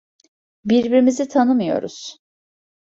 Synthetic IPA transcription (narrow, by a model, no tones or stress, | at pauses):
biɾbiɾimizit̪ʰanɯmɯjo̞̰ɾṵz̥